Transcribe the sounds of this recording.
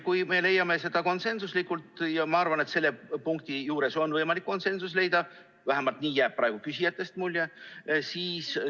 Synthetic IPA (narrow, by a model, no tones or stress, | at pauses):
kujme̞le̞jːɑme̞se̞d̪̥ɑko̞nse̞nsuslikːˑult̪ˑjɑmɑɑrvɑnet̪se̞lːepuŋk̚t̪ijuːɾe̞so̞nvɤjmɑlikːo̞nse̞nsusle̞jd̪̥ɑ | væɦæmɑlt̪ˑniːjæːb̥̚pːrɾɑeɡ̥ukysijɑt̪ˑːe̞st̪mulʲjesiːs